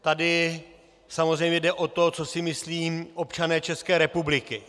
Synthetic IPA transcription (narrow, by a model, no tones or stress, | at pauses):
t̪adɪ | samozrɛjmɲɛdɛʔo̞t̪ot͡so̞sɪmɪsliːʔo̞pt͡ʃanɛːt͡ʃɛskɛːɾɛpublɪkɪ